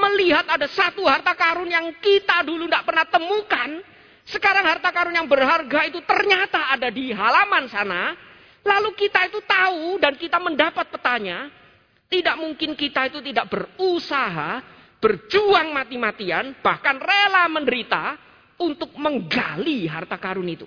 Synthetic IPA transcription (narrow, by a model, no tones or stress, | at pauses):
məliɦat̪adasat̪uɦart̪akaɾʊnjaŋkit̪adulundaʔpərnaht̪əmukan | səkaɾaŋɦart̪akaɾʊnjaŋbərɦarɡait̪ut̪ərɲat̪aːdadiɦalamansana | lalukit̪ait̪ut̪audankit̪aməndapat̪̚pərt̪aɲa | t̪idaʔmuŋkɪnkit̪ait̪ut̪idaʔb̥ərusaɦa | b̥ərd͡ʒuaŋmat̪imat̪ianb̥ahkanrelaməndəɾit̪a | unt̪ʊk̚məŋɡa̰liɦa̰rt̪akaɾʊnit̪ṵ